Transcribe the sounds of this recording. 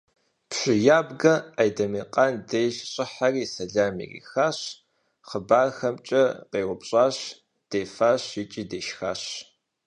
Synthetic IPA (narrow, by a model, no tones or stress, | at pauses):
pɕʷʼɪjaːbɡɐajdɐmiːqandejʒɕʼɪħariːsɐɮaːmḭrḭːxaːɕ | χəbaːrxɐmt͡ʃʼɐqeːʁʷʊpɕʼaːɕ | d̥eːfaːɕɪt͡ʃʼiːdeːʃxa̰ːɕ